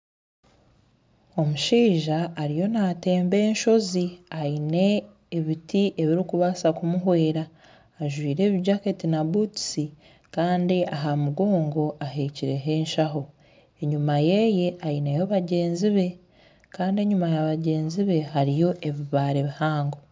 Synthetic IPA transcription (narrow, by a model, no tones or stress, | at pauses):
o̞muʃiːʒaːɾijo̞naːte̞ːmbe̞ːnʃo̞ziajine̞ː | βitiʔe̞βiɾikuβasakumuɦwe̞ːɾaː | ʒwiːɾe̞ːβiɟaketinabutsi | kaːndiʔaɦamuɡo̞ːŋɡo̞ʔaɦe̞ːciɾe̞ɦe̞ːnʃaɦo̞ | e̞ɲumajeje̞ajinejoβaɟe̞ːnziβe̞ | kaːndie̞ɲumajaβaɟe̞ːnziβe̞haɾijo̞ʔe̞βiβaːɾeβihaːŋɡo̞